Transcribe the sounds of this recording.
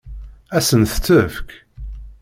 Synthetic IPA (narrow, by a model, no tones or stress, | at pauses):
æsənθə̥t͡sːəfk